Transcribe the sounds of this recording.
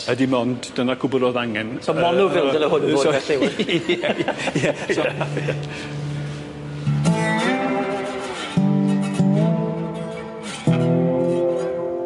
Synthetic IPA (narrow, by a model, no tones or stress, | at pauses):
ədimɔndd̥ənaɡ̥ʰʊbɔdɔðaŋɛnsɔɔnʊvɪlˠvəlˠəɦʊnosːdɔɛɬɪw | jɛ